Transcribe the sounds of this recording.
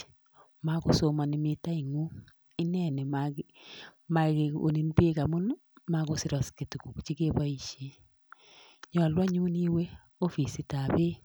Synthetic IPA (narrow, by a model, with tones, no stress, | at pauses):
ma˦ɡʊ˦so˨ma˨nɪ˨mɪ˦ta˦i˨ŋu˦ | ɪ˦nɛ˨nɛ˨ma | ma˨ɡe˨o̰˨ni˨nbe˦ka˨mʊ˦n | ma˦ɡo˦sɪ˦ɾɔ˨ske˨tku˨kt͡ʃi˦ke˦ba˦i˦ʃe˨˦ | ɲɔ˨lwa˦ɲu˦ni˦we˦ | o˦fi˨si˦ta˨be˦